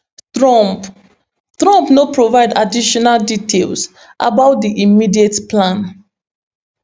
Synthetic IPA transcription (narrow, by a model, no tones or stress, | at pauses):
tɹɔp | tɹɔ̃mpnopɹovaɪdadiʃɔnalditʰels | ʔa̰baʊt̚diʔimidietplãn